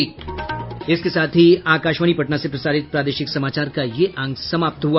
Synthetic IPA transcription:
ɪskesaːt̪ʰɦiaːkaːʃʋənipɐʈnasepɾɐsaːɾɪt̪̚pɾaːd̪eːʃɪksɐmaːt͡ʃaːɾkajeʔɐ̃ŋɡsɐmaːp̚t̪ɦua

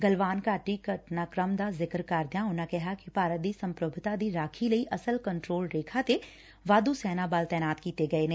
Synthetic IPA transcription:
ɡəlʋaːnkaːʈikəʈnaːkɾəmd̪azɪkɾkaːɾd̪jãɦʊnãkɛɦakipaːɾət̪̚d̪iːsɐ̃mpɾʊbʱt̪ad̪iɾaːkʰiləiʔɐsəlkəɳʈɾoːlɾeːkʰat̪e | ʋaːd̪usɛːnabaːlt̪ɛːnaːt̪kiːt̪eɡɐeːnẽː

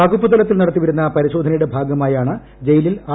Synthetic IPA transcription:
ɐɡupːut̪ɐlɐt̪ːilnɐɽɐt̪ːiʋɐɾunːɐpɐɾiɕo̞ːd̪ʱɐnɐjɽebʱaːɡɐmaːjaːɳɨ | d͡ʑejililaː

